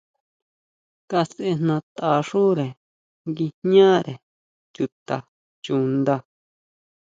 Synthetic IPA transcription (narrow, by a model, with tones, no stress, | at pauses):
ka˧see˧nnã˧t̪a˨ʂu˦ɾe˨ | ŋɡi˧hɲã˦ɾe˨ | t͡ʃu˧t̪a˨ | t͡ʃu˧nd̪a˧